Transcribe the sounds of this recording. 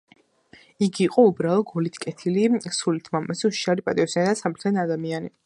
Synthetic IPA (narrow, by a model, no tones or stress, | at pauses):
iɡiːqʼɔubɾalˠɔɡɔlit̪ʰkʼɛt̪ʰilisulit̪ʰmamɛsuʃʃaɾipʼat̪ʼiɔsinad̪asamɾt̪ʰɛnad̪amiani